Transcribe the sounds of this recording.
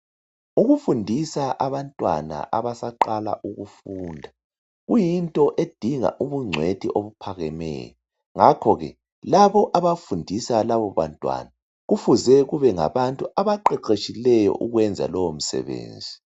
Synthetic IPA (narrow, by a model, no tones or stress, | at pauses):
uɣufundʱisaʔaβantʼwa̰na̰ʔaβasaǃala̰ʔuɣufuːndʱa | ɣujintʼɔʔed̥ʱiŋa̰ʔuβuŋ͡ǀʱwetʰiʔoβupʰaɣɛmɛ̰ːjɔ | ŋakʰɔɣɛ̰ | laβɔʔaβafundʱisalaβɔβa̰ntʼwa̰na | ɣufuzɛɣuβɛŋa̰βantʼuaβaǃɛǃet͡ʃʼilɛjɔ̰ʔuɣwɛnd͡zʱa̰lɔwom̩sɛ̰βḛːnd͡zʱi